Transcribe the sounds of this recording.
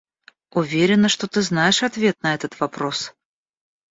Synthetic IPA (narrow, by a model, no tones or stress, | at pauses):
ʊvʲeɾʲɪnːəʂt̪ot̪ɨznajɪʂɐt̪vʲe̞t̪̚nɐɛt̪ət̪vɐpɾo̞s